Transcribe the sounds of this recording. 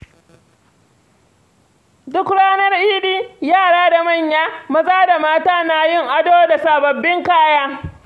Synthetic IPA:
dʊ˦kɽaː˦nɐ˦rʔiː˦ɗiː˦jaː˦˨ɽaː˦da˨mɐ˦˨ɲjaː˦mɐ˦sʼaː˦da˨maː˦taː˦na˦jɪ˦˨ŋʔa˦doː˦da˨saː˨bɐ˨bːɪ˦ŋkaː˦jaː˦

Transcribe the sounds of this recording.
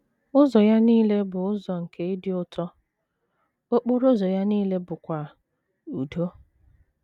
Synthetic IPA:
ʊ˦zɔ˨ja˦niː˦le˦bʊ˨ʊ˦zɔ˨ŋ̩˨kʰe˦ɪ˦dɪ˦ʊ˦tʰɔ˦ | o˦k͡po˦ɾo˦zɔ˨ja˦niː˦le˦bʊ˨kʷa˨ | u˨do˦

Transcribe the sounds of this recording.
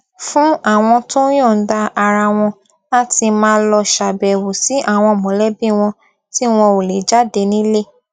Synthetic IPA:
fũ˦a˦˨w̃ɔ̃˧to˦j̃õ˦˨˦da˧ʔa˧ɾa˧w̃ɔ̃˧ | a˦ti˧mãː˦˧˦lɔ˧ʃa˨bɛ˨wo˨si˨˦ʔa˦˨w̃ɔ̃˧˨mɔ̃˨˦lɛ˦bi˦˨w̃ɔ̃˧ | ti˦w̃ɔ̃˧o˨le˨d͡ʒa˦de˧nĩ˦le˦

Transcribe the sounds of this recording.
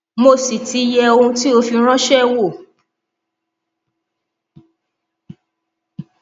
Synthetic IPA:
mo˧˨si˨ti˧˦jɛ˧o˧ũ˧ti˦o˧fi˧ɾ̃ã˦ʃɛ˦wo˦˨

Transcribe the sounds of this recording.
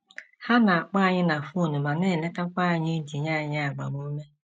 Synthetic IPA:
ha˦na˨a˨k͡pa˦a˨ɲɪ˦na˨fu˦˨nu˨ma˨ne˦˨le˦ka˦kʷa˦a˨ɲɪ˦d͡ʒi˨ɲa˦˨ɲɪ˦a˨ɡ͡ba̰˨mo˨˦me˦

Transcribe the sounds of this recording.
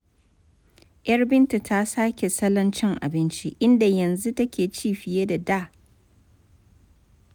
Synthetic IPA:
ʔjɐ˦rbɪ˦ntu˨tʰa˦saː˦kʲe˨sɐ˦lɐ˦nt͡ʃɪ˦ŋʔa̰˨bɪ˦nt͡ʃi˦ʔɪ˦nda˨jɐ˨nzu˦tɐ˦kʲeː˨t͡ʃiː˦˨ɸɪ˨jeː˦da˨daː˦˨

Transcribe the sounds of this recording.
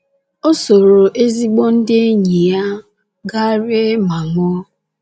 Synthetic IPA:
o˦so˨ɾo˨ʔe˦zi˦ɡ͡bɔ˦n̩˦dɪ˦e˦ɲi˨ja˦ | ɡa˦ɾe˦ma˨ŋɔ˦

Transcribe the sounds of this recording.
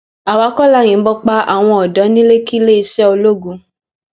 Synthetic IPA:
a˨wa˨˦kɔ˦˨la˦˨j̃ĩ˨˦bɔ˧k͡pa˧˦a̰˨w̃ɔ̃˧ɔ˨dɔ˨˦nĩ˦le˦ki˦le˦i˧ʃɛ˦o˧lo˦ɡũ˧

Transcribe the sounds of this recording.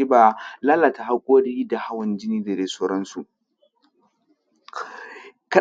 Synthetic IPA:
i˦ba˨laː˦la˨ta˨ɦa˦kʷʼoː˦ɽiː˦da˨ha˦wɐ˨nd͡ʒɪ˦niː˦da˨de˨soː˦ɾɔ˦nsu˨ʔ | ka˦

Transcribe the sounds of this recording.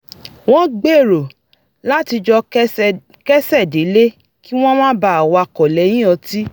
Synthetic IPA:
w̃ɔ̃˦ɡ͡be˦˨ɾo˨ | la˦ti˧d͡ʒɔ˧ | kɛ˦sɛ˦˨de˨˦le˦ | ki˦w̃ɔ̃˦mãː˦ba˦˨a˨wa˧˨kɔ˨lɛ˨˦j̃ĩ˦ɔ˧ti˦

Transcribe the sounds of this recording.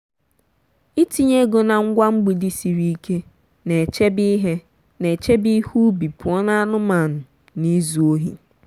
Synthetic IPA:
i˦ti˨ɲe˦ɡo˨na˨ŋ̩˦ɡʷa˦ŋ͡m̩˦ɡ͡bi˨di˦si˨ɾi˦i˦ke˦ | ne˨t͡ʃe˦bi˦ɦe˦ | ne˨t͡ʃe˦bi˦hu˦bi˨pʊ˨ɔ˦na˦a˦nʊ˦ma˨nʊ˨ | ni˦zu˨o˦ɦi˨

